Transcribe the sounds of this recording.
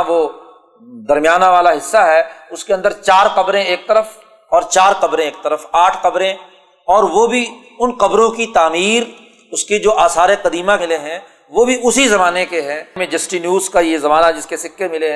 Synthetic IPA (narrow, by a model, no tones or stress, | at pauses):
ʋoː | d̪ɐɾmijaːnaʋaːlaɦɪsːaɦɛʊskeɐ̃nd̪əɾt͡ʃaːɾqɐbɾẽeːk̚t̪ɐɾəf | ɔːɾt͡ʃaːɾqɐbɾẽeːk̚t̪ɐɾəfaːʈʰqɐbɾẽ | ɔːɾʋobʱi | ʊnqɐbɾõkit̪aːmiːɾ | ʊskid͡ʒoːʔaːsaːɾeqɐd̪iːmakɪleɦɛ̃ | ʋoːbʱiʊsizɐmaːnekeɦɛ̃mẽd͡ʒɐsʈinjuːzkajezɐmaːnad͡ʒɪskesɪkːemɪleɦɛ̃